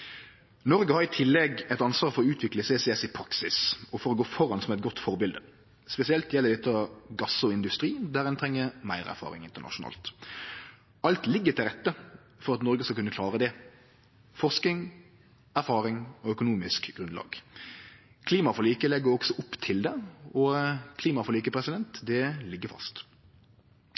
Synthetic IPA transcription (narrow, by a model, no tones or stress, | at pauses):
nɔɾɡəhɑːɾɪt̪ʰɪlːɛɡɛt̪ɑnsʋɑːʁfɔɾʉːt̪ʰʋɪkləsɛːsɛɛsɪpʰɾɑksɪsɔfɔɾɔɡoːfɔɾɑnsɔmɛt̪̚ɡɔt̪ːfɔʁbɪld̪ə | spɛsɪɛlt̪jɛləɾd̪ɛt̪ːəɑɡɑsɔɪnd̪ʉst̪ɾiːd̪æɾɛnt̪ʰɾɛŋːəɾmæɪʁæ̰ɾfɑ̰ːʁɪ̰ŋɪnt̪ənɑ̰ʃʊnɑ̰ːlt̪ | ɑlt̪lɪɡːəɾt̪ʰɪlʁɛt̪ːə | fɔʁɑt̪nɔɾɡəskɑlkʉnːəkʰlɑːʁəd̪ɛ | fɔʁsknɪŋ | æɾfɑːɾɪŋɔœkʊnuːmɪskɡ̥ɾʉnlɑ̰ːɡ̥ | kʰliːmɑfɔliːkəlɛɡːəɾɔɡ̥sɔʔʊpːt̪ʰɪld̪ɛɔkʰliːmɑfɔliːkəpʰʁɛsɪd̪ɛnt̪d̪ɛlɪɡːəfɑ̰st̪